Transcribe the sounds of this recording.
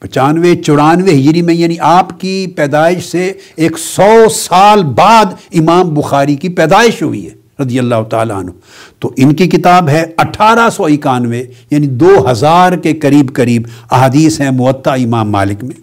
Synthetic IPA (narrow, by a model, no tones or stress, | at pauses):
pɐt͡ʃaːnʋet͡ʃʊɾaːnʋeɦɪd͡ʒɾimẽjaːniʔaːpkipɛːd̪aːɪʃseeːksɔːsaːlbaːd̪ɪmaːmbʊxaːɾikipɛːd̪aːɪʃɦʊ̰ḭɦɛː | ɾɐd̪ijɐlːaːɦʊt̪a̰ːla̰ɦɐ̰nɦu | t̪oʔɪnkikɪt̪aːbɦɛɐʈʰaːɾasɔɪkaːnʋejaːnid̪oːɦɐzaːɾkekɐɾiːbkɐɾiːbɐɦaːd̪iːsɦɛ̃mʊʋət̪ːaɪmaːmːa̰ːlɪkmẽː